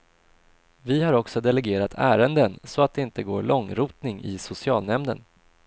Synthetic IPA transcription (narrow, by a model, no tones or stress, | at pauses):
vɪhaɾɔksɔd̪ɛlɛɡeːɾat̪ʰæːɾənd̪ənsɔat̪̚d̪ɛɪnt̪əɡoːɾɭɔŋɾuːt̪nɪŋɪ̰sʊsɪɑːlnɛmnə̰n